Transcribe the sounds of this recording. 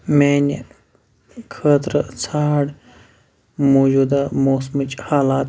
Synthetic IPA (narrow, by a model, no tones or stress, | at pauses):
meːnʲ | kʰəːt̪ɾət͡sʰaːɽ | moːd͡ʒuːd̪amoːsmɨt͡ʃhaːlaːt̪